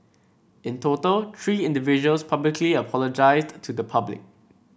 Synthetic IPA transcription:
ɪ̃ntʰotəlt̪ʰɹiːɪ̃ndɪvɪd͡ʒuəlspʰablɪkʰliəpʰɔləd͡ʒaɪsttʰudəpʰablɪ̰k̚

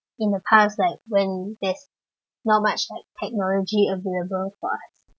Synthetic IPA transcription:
ɪ̃ndəpʰastlaɪk̚wɛ̃ndɛs | nɔt̚mat͡ʃlaɪk̚tʰɛk̚nɔlɔd͡ʒiəveləbəlfɔ̰a̰s

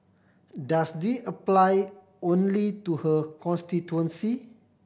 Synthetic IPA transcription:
dasdiəplaj | õnlituhəkʰɔ̃nstituə̃nsi

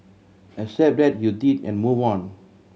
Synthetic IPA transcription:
ɛsɛp̚dɛt̚judidɛ̰̃nmuvɔ̃n

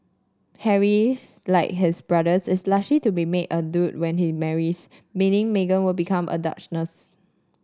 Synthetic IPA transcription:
hɛɹilaɪk̚ɦɪsbɹadəsɪslaslitubimedədut̚wɛ̃nhimɛɹis | mĩnɪ̃ŋmeɡə̃nwɪlbikʰãmʔə̰da̰t͡ʃnəs

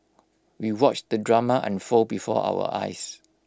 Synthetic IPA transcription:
wiwɔt͡ʃdədɹamaʔɛ̰̃nfobifɔ̰ʔa̰wə̰ʔa̰js

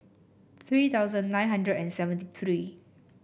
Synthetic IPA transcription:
t̪ʰɹiːt̪ʰaʊzə̃nːãjnɦãndɹədɛ̃nsɛvə̃ntit̪ʰɹi

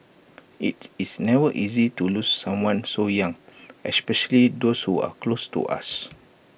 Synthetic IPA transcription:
ʔitisnɛvəʔizitulusːãmwãnsojãŋɛspɛʃəlidoshua̰klostṵʔa̰s

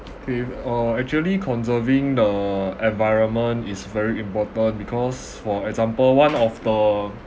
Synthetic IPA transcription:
okʰeʌɛk̚t͡ʃuəlikʰɔ̃nsəvĩŋdəɛ̃nvajɹə̃nmə̃ntisvɛɹiĩmpɔtə̃nbikʰɔs | fɔɛkzãmpəlwãnɔfdə

